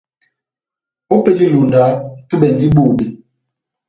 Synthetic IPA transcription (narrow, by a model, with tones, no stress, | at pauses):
o˦pe˦li˦lu˨nda˨˦tu˦ɓɛ˨n̩˨di˦ɓoː˦˨bi˨